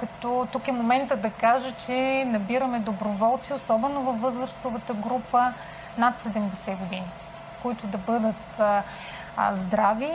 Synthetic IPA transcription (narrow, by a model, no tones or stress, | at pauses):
kɐt̪ɔt̪ukɛmomɛnt̪əd̪ɐkaʒət͡ʃɛnɐbiɾɐmɛd̪obɾovɔlˠt̪siosɔbɛnovɐfvːɤzɾəst̪ʊvət̪əɡɾupə | nat̪sɛd̪ɛmd̪ɛsɛɡod̪ini | koit̪ʊd̪ɐbɤd̪ət̪ | zd̪ɾavi